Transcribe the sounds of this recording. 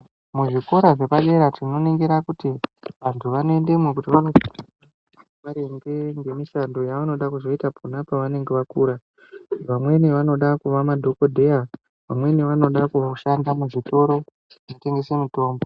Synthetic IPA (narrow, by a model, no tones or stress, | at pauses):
muʐiko̞ɾaʐe̞paɗe̞ɾatino̞neŋɡeɾakutiʋantʰuʋanoe̞nde̞mwekutiʋanosaa | ʋaɾeŋɡe̞ŋɡe̞miʃando̞jaʋano̞ɗakuzo̞itapʰunapaʋane̞ŋɡe̞ʋakuːɾa | ʋamwe̞niʋano̞ɗakuʋamadʱo̞ko̞dʱe̞ja | ʋamwe̞niʋano̞ɗakuʃandamuʐito̞ɾo̞ | anote̞ŋɡe̞semito̞ːmbo